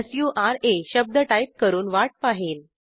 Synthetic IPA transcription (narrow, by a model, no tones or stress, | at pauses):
sjuːʔaɾeɕəb̚d̪əʈaip̚kəɾuːnʋaʈ̚paɦiːn